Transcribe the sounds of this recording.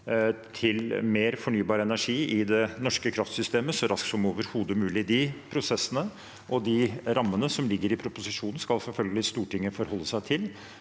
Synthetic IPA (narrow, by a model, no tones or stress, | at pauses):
t̪ʰɪlmeːɾfɔɳyːbɑːɾəɛnæʂiːɪd̪ɛnɔʂkəkʰɾɑft̪sʏst̪eːməsɔɾɑsk̪sɔmoːʋəɾhuːd̪əmʉːlɪd̪ɪpʰɾʊsɛsːənə | ʔɔd̪ɪɾɑmːənəsɔmlɪɡːəɾɪpʰɾʊpʊsɪʂuːnn̩skɑlsɛlfœlɡəlɪst̪uːʈɪŋːəfɔɾhɔlːəsæɪt̪ʰɪl